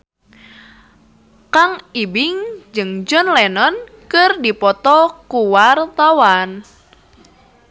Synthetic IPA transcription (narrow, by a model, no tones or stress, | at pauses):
kaŋibɪŋd͡ʒɨŋd͡ʒɔnlɛnɔn | kɨrdipɔt̪ɔkuwart̪awan